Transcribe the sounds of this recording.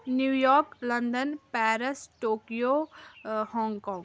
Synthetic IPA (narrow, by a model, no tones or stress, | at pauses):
njuːjɔːɾklə̃nd̪ənpɛːɾəsʈoːkijo | hɔ̃ːŋɡkɔ̃ːŋɡ